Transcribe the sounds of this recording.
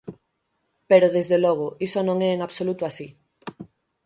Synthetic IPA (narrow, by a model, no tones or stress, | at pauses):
peɾoðezðelɔɣ̞oisonõŋɛːŋaβsolut̪oasi